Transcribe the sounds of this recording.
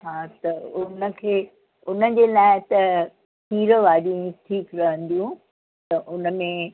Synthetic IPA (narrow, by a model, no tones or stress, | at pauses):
ɦãːt̪ɐʊnə̆kʰeː | ʊnə̆d͡ʑeːlaːɪt̪ɐ | piːɾəʋaːɾĩʈʰiːkɾɐɦə̃nd̪ijũ | t̪ɐʔʊnə̆mẽ